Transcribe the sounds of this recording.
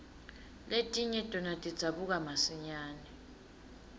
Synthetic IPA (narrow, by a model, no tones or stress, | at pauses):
letʼiɲɛtʼɔnatʼid̥z̥ʱaɓuk̬amasiɲaːnɛ